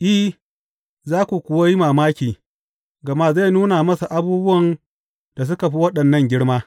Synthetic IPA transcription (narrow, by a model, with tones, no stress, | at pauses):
ʔi˦h | zaː˦kʷu˨kʷʊ˨wa˦ji˦maː˨maː˦kʲiː˨ | ɡɐ˨ma˦za˦˨nuː˦na˨mɐ˦sa˨ʔa˨buː˦bʊ˦wɐ˨n | d̥a˨s̬ʊ˦ka˨ɸi˦wɐ˦ɗɐ˨nːɐ˦˨ŋɡʲɪ˦ɽmaː˦